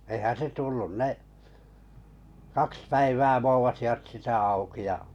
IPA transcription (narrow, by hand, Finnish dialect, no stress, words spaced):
eĭhæn se tulːun ne kɑks pæiʋæː ʋoːʋɑsiʋɑt sitæ ɑuki jɑ